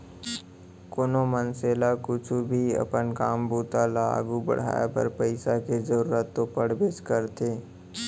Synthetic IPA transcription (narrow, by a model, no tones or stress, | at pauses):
kʊnomənseːlakʊt͡ʃʰubʱiɐ̰pənkaːmbuːt̪ala̰ːɡubə̰ɽ̤a̰ːj̰pə̰ɾpəɪsakezəɾuːɾət̪ːopəɽ̤beːskəɾt̪eː